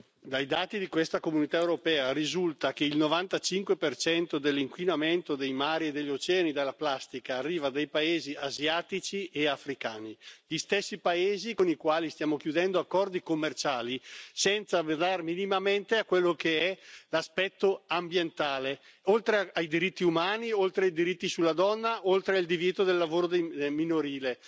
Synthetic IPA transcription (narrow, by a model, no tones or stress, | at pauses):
d̪ajd̪aːt̪id̪ikwest̪akomunit̪aewɾopɛːaɾizult̪ak̟eilnovant̪at͡ʃiŋkwepert͡ʃɛnt̪od̪elːiŋkwinament̪od̪ejmaːɾied̪ːeʎːot͡ʃɛːanid̪elːaplast̪ikaːrːiːvad̪ajpaeːziazjaːt̪it͡ʃiʔeafɾikaːniʎist̪esːipaeːzikonikwaːlist̪jaːmokjud̪ɛnd̪oakːɔrd̪ikomːert͡ʃaːlisɛnt̪sad̪arminimament̪eakwelːokeɛlaspɛt̪ːoambjent̪aːleolt̪ɾeajd̪iɾit̪ːiumaːniolt̪ɾeajd̪iɾit̪ːisulːad̪ɔnːaʔolt̪ɾeaild̪ivjɛːt̪od̪elːavoːɾod̪ejminoɾiːle